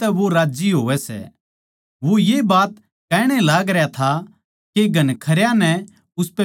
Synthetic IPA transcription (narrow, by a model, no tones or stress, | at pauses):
ɛʋoɾaːd͡ʒiɦoːʋɛsɛ̰ | ʋojebaːt̪ | kɛːɽ̃ɛlaːɡɾɐjat̪ʰa | keɡʱɐnkʰɐɾjãnɛ | ʊspɛ